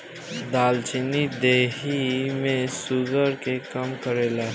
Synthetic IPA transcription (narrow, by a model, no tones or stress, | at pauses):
d̪aːlt͡ʃɪnid̪eːɦimẽsuɡəɾkekəmkəɾeːla